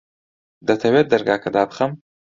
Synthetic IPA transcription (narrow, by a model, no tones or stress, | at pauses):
d̪ɐt̪ʰɐwet̪̚d̪ɐɾɡaːkʰɐd̪aːbɨχɐm